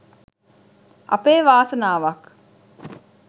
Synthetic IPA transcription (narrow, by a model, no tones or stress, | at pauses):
ɐ̰peːʋaːsənaːʋak